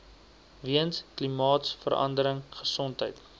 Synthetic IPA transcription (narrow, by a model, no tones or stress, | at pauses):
viənsklimɑːtsfə̰ɾɐ̰ndəɾəŋχəsɔntɦəjt